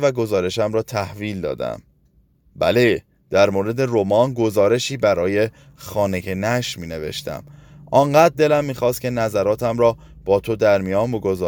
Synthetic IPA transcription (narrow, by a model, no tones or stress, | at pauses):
væɡo̞zɒːɾe̞ʃæmɾɒːt̪ʰæhviːld̪ɒ̰ːd̪æ̰m | bæ̰le | d̪̥æɾmoːɾe̞d̪e̞romɒːnɡo̞zɒːɾe̞ʃiːbæɾɒːje̞ | xɒːneɡenæʃmiːne̞ve̞̰ʃt̪æ̰mʔɒŋɢæːd̪̚d̪ːe̞læmːiːxɒːst̪cʰʲe̞næzæɾɒːt̪ʰæmɾɒː | b̥ɒːt̪ʰo̞d̪æɾmijɒːnbo̞ɡo̞zɒː